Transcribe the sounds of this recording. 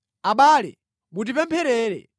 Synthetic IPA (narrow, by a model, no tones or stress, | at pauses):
aɓaːlɛ̰ | ɓut̬ipɛmpʰɛɾɛːɾɛ̰